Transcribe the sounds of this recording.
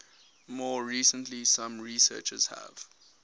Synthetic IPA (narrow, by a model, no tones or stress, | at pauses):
mɔːɹiːsə̃ntlisãmɹisɜ̰ːt͡ʃəz̥hæ̰v̥